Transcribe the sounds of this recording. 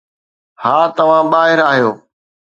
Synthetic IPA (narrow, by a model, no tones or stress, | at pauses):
haːt̪ɐʋ̤ãːɓaːɦɪɾaːɦijoː